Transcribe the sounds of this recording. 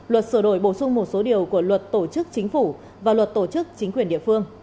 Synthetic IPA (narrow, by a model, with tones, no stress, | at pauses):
lwə˨˩t̚sɨː˧˩ɗo˧˩jɓo˧˩sʊ˧ŋ͡mmo˨˩t̚so˨˦ɗi˨˩əwku˧˩əlwə˨˩t̚t̪o˧˩t͡ɕɨ˦˥k̚t͡ɕï˨˦ŋ̟fu˧˩ | vaː˨˩lwə˨˩t̚t̪o˧˩t͡ɕɨ˦˥k̚t͡ɕï˨˦ŋ̟kwi˨˩ənɗḭ˧˨əfɨ˧əŋ